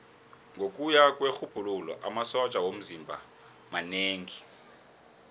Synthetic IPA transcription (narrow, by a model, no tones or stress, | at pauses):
ŋɡʱokʼujakʼwɛxub̥ʱululɔ̰ʔamasɔt͡ʃʼawom̩zimbʱa̰ | maneːŋi